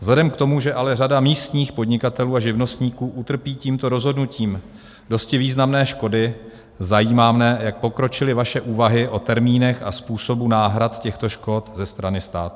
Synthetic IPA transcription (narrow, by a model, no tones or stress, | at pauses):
vzlɛdɛmkt̪o̞muʒɛʔalɛradamiːst̪ɲiːxpo̞dɲɪkat̪ɛluːaʒɪvno̞st̪ɲiːkuːʔut̪r̩piːciːmt̪o̞ɾo̞zɦo̞dnuciːm | do̞scɪviːznamnɛːʃko̞dɪ | zajiːmaːmnɛːjak̚po̞kɾo̞t͡ʃɪlɪvaʃɛʔuːvaɦɪʔo̞t̪ɛɾmiːnɛxa̰spuːso̞bunaːɦɾat̪cɛxt̪o̞ʃko̞t̪zɛst̪ɾanɪst̪a̰ːt̪u